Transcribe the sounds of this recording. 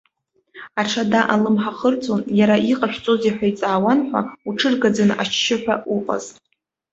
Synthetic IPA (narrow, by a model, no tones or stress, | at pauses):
aʈ͡ʂʰadaʔalɨmħaχərt͡sʰʼonjaɾaʔiqʼaʃᶣt͡sʼozeħʷᶣait͡sʼaːwanħʷa̰uʈ͡ʂʰɨrɡad͡zana̰t͡ʃʰːɪħʷᶣauqʼa̰zʼ